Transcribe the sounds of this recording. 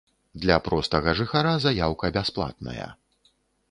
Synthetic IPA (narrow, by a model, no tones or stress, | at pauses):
d̪lʲɐpɾɔst̪ɐɣɐʐɨxaɾazajawkɐbʲasplˠa̰t̪̚nɐ̰jɐ̰